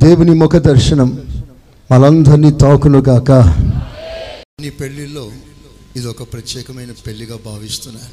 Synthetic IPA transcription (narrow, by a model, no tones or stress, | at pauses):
d̪eːwunimukʰɐd̪ɐɾʃɐnɐmː | ɐlɐnd̪ɐɾniːt̪aːkunuɡaːkɐ | nːipe̞ɭːilːo̞ː | id̪ɔkɐpɾɐt̪jɛːkɐmɐjnɐpeɭːiɡaːbʱaːʋist̪unːaːɾu